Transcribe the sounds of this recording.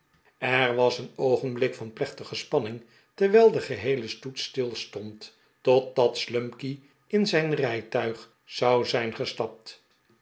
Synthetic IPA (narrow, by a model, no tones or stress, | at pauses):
ɛɹʋɑsənowχənblɪkfɑnplɛχtəχəspɑnɪŋ | tɛɹʋɛːlˠdəχəɦejləstutstɪlˠstɔnt | ɔt̚dɑtslɵmki | ɪnzɛjnrɛjtœɥχ | zɑwzɛjnχəstɑp̚t